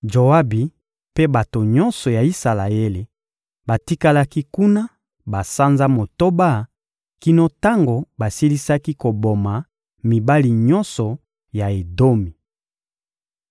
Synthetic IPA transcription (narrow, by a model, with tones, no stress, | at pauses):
d͡ʒo˨a˦bi˨ | pe˦ba˨to˨ɲɔ˦nsɔ˨ja˨i˦sa˨la˨e˦le˨ | ba˨ti˦ka˦la˦ki˦ku˦na˦ | ba˨sa˦nza˦mo˨to˦ba˦˨ | ki˦no˦ta˦ŋɡo˨ba˨si˦li˦sa˦ki˦ko˨bo˨ma˨ | mi˨ba˦li˨ɲɔ˦nsɔ˨ | ja˨e˨do˦mi˨